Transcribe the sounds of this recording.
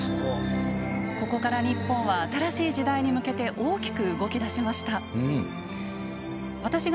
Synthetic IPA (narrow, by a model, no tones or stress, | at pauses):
ko̞ko̞kaɾaɲ̟ipːõ̞ɰ̃βaːt̪aɾaɕiːʑid̪aiɲ̟imɯ̟ke̞t̪e̞ʔo̞ːkʲi̥kɯ̟ɯɡo̞kʲid̪aɕimaɕi̥t̪a | βat̪aɕiɡ